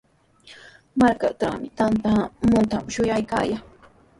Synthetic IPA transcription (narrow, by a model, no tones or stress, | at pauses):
maɾka̰ʈ͡ʂa̰mɪt̪ant̪amʊnt̪amʃʊjajka̰ːjaŋ